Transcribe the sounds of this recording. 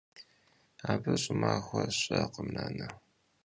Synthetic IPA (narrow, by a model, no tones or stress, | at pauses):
aːbɐɕʼɪmaːxʷɐɕʼɐqəmnaːnɐ